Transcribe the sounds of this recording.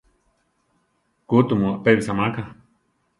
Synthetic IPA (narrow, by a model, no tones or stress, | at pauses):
kut̪umuaʔpeβisamaka